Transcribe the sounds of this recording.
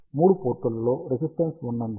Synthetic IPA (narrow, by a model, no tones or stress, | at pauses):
muːɽupoːɾʈːɐlɐloːɾesisʈɐnsunːɐnd̪i